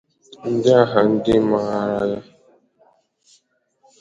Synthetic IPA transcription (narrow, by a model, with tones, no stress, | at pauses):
n̩˦dɪ˦a˦ɦa˨n̩˦dɪ˦ma˦ja˦